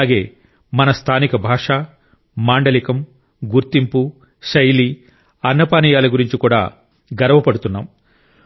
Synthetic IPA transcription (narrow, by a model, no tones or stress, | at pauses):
aːɡeː | mɐnɐst̪ʰaːnikɐbʱaːʂaː | maːɳɖɐlikɐm | ɡuɾt̪impu | ʃɐjli | ɐnːɐpaːnijaːlɐɡuɾiɲt͡ʃikuːɽa̰ː | ɡɐɾɐʋɐpɐɽut̪unːa̰ːm